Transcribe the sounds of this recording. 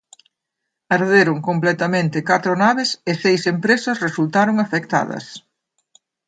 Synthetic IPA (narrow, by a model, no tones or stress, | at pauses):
aɾðeɾʊŋkomplɛt̪ɐmẽnt̪ɪkat̪ɾʊnaβɪsɪsejsempɾesɐsresult̪aɾoŋafek̚t̪a̰ðɐ̰s